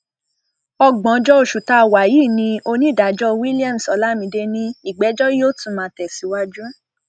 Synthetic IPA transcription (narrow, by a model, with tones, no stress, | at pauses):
ɔ˧˨ɡ͡bɔ̃˨˦d͡ʒɔ˦o˧˨ʃu˨ta˧˨wa˨ji˦˨nĩ˧o˧nĩ˦˨da˨d͡ʒɔ˦wi˦li˦ã˦˨m̩˨sɔ˨˧˦la˦mĩ˧˦de˧nĩ˧i˦˨ɡ͡bɛ˨˦d͡ʒɔ˦jo˦tũ˦˨mãː˨˧tɛ˨si˨˦wa˧d͡ʒũ˦